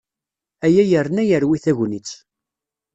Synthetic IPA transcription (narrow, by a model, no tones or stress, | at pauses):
æjæjəɾnæjəɾwiθæʝnit͡sː